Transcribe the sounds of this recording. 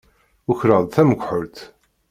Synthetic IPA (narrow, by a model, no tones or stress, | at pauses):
ʊçɾəðˤθæməɡʷħʊɾt̪